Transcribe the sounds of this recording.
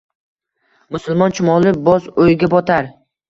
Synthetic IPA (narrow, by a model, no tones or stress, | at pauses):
mʊsʊlˠmɒnt͡ʃʰʊmɒlˠɪbɒzojɡʲabɒt̪ʰaɾ